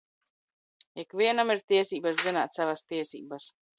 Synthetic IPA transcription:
ikviɛnamiɾt̪iɛsiːbaszina̰ːt̪savast̪iɛsḭːbas

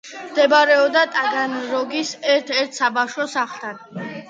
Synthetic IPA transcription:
md̪̥ɛbaɾɛɔbd̪at̪ʼaɡanɾɔɡisɛɾt̪ʰɛɾt̪ʰsabaʃwɔsaχt̪ʰan

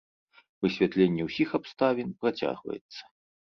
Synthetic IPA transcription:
vɨsʲvʲat̪lʲenʲːɛwsʲixapst̪avʲinpɾat͡sʲa̰ɣvɐ̰jɛ̰t̪sːɐ̥

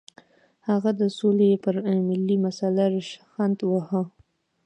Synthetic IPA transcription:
haɣad̪əsolepəɾmɪlːimasalaɾɪʃxand̪wahə

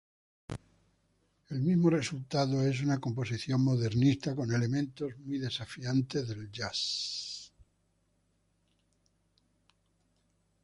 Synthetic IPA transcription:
e̞lmizmo̞re̞sult̪aðoe̞s̬unako̞mpo̞siθjo̞ŋmo̞ðe̞ɾnist̪ako̞ne̞le̞mẽ̞nt̪o̞zmwjðe̞safiant̪e̞zðe̞ld͡ʒas

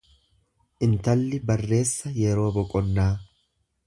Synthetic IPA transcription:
ʔɪnt̪ɐlːɪbɐrːe̞ːsːɐjɛɾo̞ːbɔkʼɔnːaː

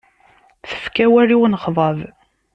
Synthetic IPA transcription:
θə̥fkæwæɾiwnχðˤɑv

